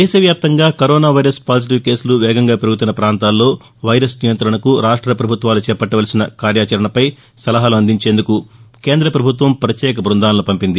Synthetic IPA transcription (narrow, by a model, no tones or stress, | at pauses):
d̪ɛːʃɐʋjaːp̚t̪ɐŋɡaːkɐɾoːnaːʋɐjɾɐspaːd͡ʒiʈ̬iʋke̞ːsuluʋɛːɡɐŋɡaːpɾɐɡut̪unɐpɾaːnt̪aːlːo̞ː | ʋɐjɾɐsnijɐnt̪ɾɐɳɐkuɾaːʂʈɾɐpɾɐbʱut̪ʋaːlut͡ʃɛːpɐʈːɐʋɐlɐsinɐkaːɾjaːt͡ʃɐɾɐɳɐpɐj | sɐlɐɦaːluɐnd̪iɲt͡ʃe̞ːnd̪ukuke̞ːnd̪ɾɐpɾɐbʱut̪ʋɐmpɐɾɐt̪jɛːk̬ɐbɾund̪aːlːupɐmpind̪i